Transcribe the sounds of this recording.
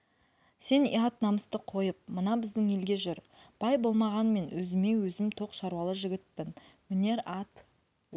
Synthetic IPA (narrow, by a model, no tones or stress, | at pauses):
se̞nḭɑt̪nɑməst̪əqʰo̞jəp̚mənɑbɪzd̪ɪŋe̞lɡʲe̞ʒʏɾ | b̥ɑjbo̞lˠmɑʁɑnme̞nwɵzɪme̞wɵzɪmt̪ʰo̞qʃɑɾwɑlˠəʒɪɡʲɪt̪̚pɪnmɪne̞ɾɑt̪